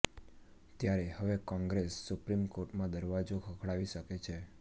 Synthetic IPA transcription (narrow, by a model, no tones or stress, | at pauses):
t̪jaɾehəʋekɔ̃ŋɡɾesːupɾimkoɾʈmãd̪əɾʋad͡ʒokʰəkʰɭaʋiʃəket͡ʃʰe